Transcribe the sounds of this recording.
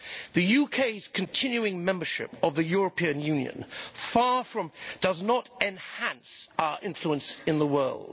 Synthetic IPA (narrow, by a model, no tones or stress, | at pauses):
ðɨjʉkʰeɪz̥kʰɨ̃ntʰɪ̃njʉɪ̃ŋmɛ̃mbəʃɪ̰pəvðɨjʊɹəpʰĩɨ̃njʉ̃njɨ̰̃nfɑːɹfɹʌ̃md̥ʌznəɾɛ̃nhæ̃nsaʊə˞ʔɪ̃ɱfluə̃nsɨ̃nðəwɜ˞lˠd̥